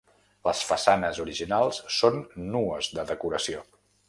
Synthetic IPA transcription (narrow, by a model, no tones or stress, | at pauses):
ləsfəsanəzuɾiʒinalˠsːonːuəzðəðəkuɾəsio